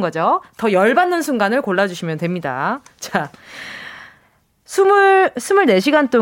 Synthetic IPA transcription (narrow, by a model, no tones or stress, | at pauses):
ɡʌd͡ʑotʌjʌɭbanːɯnsʰuŋɡanɯɭkoɭːad͡ʑuɕʰimjʌntwe̞mɲida̰t͡ɕa | sʰumuɭsʰumuɭne̞ɕʰiɡant͈u